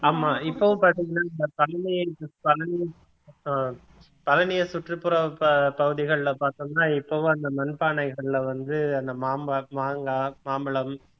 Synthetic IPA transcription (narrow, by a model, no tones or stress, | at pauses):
aːmaːɪpːɐʋɯ̃mpaːɾt̪ĩŋɡɐnːaːɐnd̪ɐpɐlɐnɪjɐpɐlɐnɪjɐ | pɐlɐnɪjɐsʊʈrɯpːɯɾɐpɐɣɯðɪɣɐɭlɐpaːɾt̪ɯŋnaːɪpːɐʋɯ̃ɐnd̪ɐmɐnpaːɳɐɪɣɐɭɪlɐʋɐnd̪ɯɐnd̪ɐmaːmbɐmaːŋɡaːmaːmɪlɐm